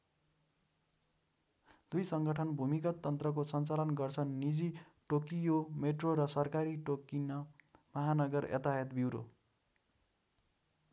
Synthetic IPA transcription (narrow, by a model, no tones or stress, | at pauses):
d̪ujsʌŋɡʌʈʰʌnbʱumikʌt̪ːʌnt̪rʌk̬osʌnt͡salʌnɡʌrt͡sʰʌnnid͡zi | ʈokijomeʈroɾʌsʌrkaɾiʈokinʌmʌɦanʌɡʌrʌ̰t̪aɦet̪bʱiwɾo̰